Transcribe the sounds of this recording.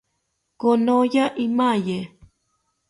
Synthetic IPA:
konojaʔimãje

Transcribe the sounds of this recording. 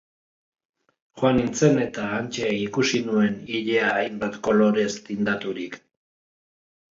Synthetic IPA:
xoanint͡se̞ne̞t̪aːnt͡ʃeikusinue̞niʎeaːjmbat̪ko̞lo̞ɾe̞st̪ind̪at̪uɾik

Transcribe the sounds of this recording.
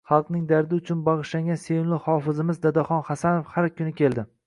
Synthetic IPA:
χɑlˠqnɪŋd̪aɾd̪ɪʊt͡ʃʰʊnbɑʁɨʃlaŋɡʲansejmlˠɪhɒfɪzɪmɪzd̪ad̪aχɒnχasanofhaɾkʲʰʊnɪkʲe̞lˠd̪ɪ

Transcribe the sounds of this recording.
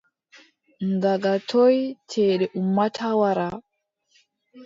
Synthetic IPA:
ŋɡaɡatʰojtʰɛːɗɛʔumːatʰawaɾa

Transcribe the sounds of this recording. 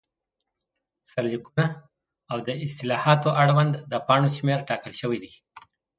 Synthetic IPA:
saɾlikuna | awd̪əɪst̪ɪlɑhɑt̪oʔaɽwand̪ːəpɑɳoʃmeɾʈɑkəlʃəwid̪i

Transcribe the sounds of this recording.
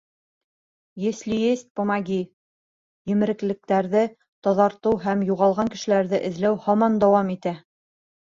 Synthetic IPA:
jɘ̆slʲijesʲt̪̚pomɑɡʲi | jɘ̆mɘ̆ɾɘ̆klɘ̆k̚t̪æɾðɘ | t̪ɑðɑɾt̪ɤwɦæmjuʁɑlˠʁɑŋkɘ̆ʃɘ̆læɾðɘʔɘ̆ðlæwhɑmɑnd̪ɑwɑmit̪æ

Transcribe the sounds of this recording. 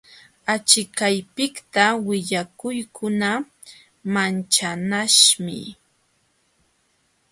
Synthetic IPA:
at͡ʃɪkajpɪkt̪awɪʎakʊjkʰʊna | mant͡ʃanaʃmɪ̰

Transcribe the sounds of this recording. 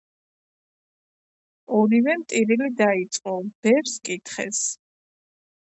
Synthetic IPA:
ɔɾivɛmt̪ʼiɾilid̪ait̪sʼqʼɔb̥ɛɾskʼit̪ʰχɛ̰s

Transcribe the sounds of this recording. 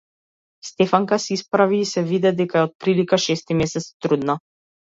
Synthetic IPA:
st̪ɛfaŋkasɛispɾaviːsɛvid̪ɛd̪ɛkaɛɔt̪̚pɾilikaʃɛst̪imɛsɛt̪st̪ɾud̪na

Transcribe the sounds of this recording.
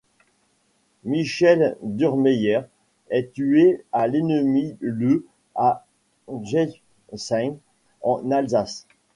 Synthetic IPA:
miʃɛld̪yʁmɛjɛʁ | ɛt̪yealenəmilø | a | ʒɛ | sɛ̃ŋ | ɑ̃nalzas

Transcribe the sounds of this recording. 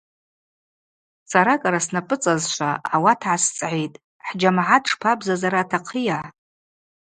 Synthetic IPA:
saɾakʼaɾasnapʼɨt͡sʼazʃʷaawatʰʕast͡sʼʕʷejtʼ | ħd͡ʒamʕadʰʈ͡ʂpʰabzazaɾaːtʰaqʰijaʕ

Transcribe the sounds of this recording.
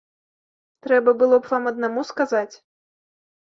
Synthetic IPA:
t̪ɾɛbɐbɨlˠɔpvamɐd̪̚namuskazat͡sʲ

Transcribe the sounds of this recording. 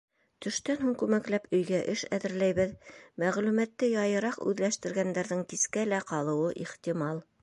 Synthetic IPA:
t̪ɵ̆ʃt̪ænɦuŋkʉmæklæpɵ̆jɡæʔɘʃæ̰ðɘ̆ɾlæjβɘðmæʁlʉmæt̪ːɘjɑjɤ̆ɾɑqʉ̰ðlæʃt̪ɘ̆ɾɡænd̪æɾðɘŋkiskælæqɑlˠɤ̆wɤʔiχt̪imɑlˠ

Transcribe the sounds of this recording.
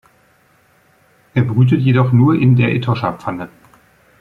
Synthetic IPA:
ʔeːɐbəʁyːtətjedɔχnuːɐʔɪndeːɐʔetʰɔʃapp͡fanə

